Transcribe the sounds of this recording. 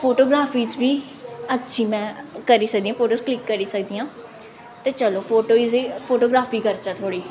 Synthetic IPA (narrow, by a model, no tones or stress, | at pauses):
pʰoːʈoːɡɾaːfiːt͡ʃbiː | ətːʃʰiːmɛ̃ːkəɾiːsəkd̪iːãːpʰoːʈoːsklɪkːəɾiːsək̚d̪iːãː | t̪eːt͡ʃəloːpʰoːʈoːizipʰoːʈoːɡɾaːfiːkəɾt͡ʃaːt̪ʰoːɽiː